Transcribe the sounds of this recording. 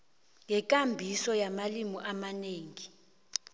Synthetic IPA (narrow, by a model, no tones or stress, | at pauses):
ŋɛk̬ʼambʱisɔjamalimuʔamaneːŋi